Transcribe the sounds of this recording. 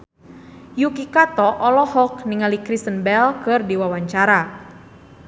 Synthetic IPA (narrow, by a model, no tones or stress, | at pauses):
jukikat̪ɔʔɔlɔhɔk̚niŋalikɾist̪ənbɛlkɨrdiwawaɲt͡ʃaɾa